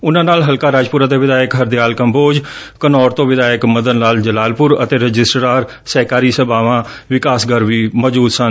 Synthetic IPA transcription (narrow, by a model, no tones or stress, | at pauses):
ʊnãːnaːlɦəlkaːɾaːd͡ʒpʊɾət̪eːʋɪd̪aːjəkɦəɾd̪ɪjaːlkəmboːd͡ʒ | kənɔːɾt̪õːʋɪd̪aːjəkməd̪ənnaːld͡ʒəlaːlpʊɾə̰t̪eːɾəd͡ʒɪsʈɾaːɾ | sɛːkaːɾiːsəbaːʋãː | ʋɪkaːsɡəɾʋiːmɔːd͡ʒuːd̪sən